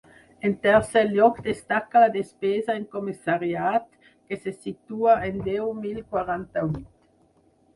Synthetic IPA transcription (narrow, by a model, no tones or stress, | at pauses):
ent̪ɛʁsɛljɔkd̪est̪akːalad̪espeːzaeŋkomisaʁjaːt̪ | kesesit̪uːaend̪ɛwmilkwaʁant̪awit̪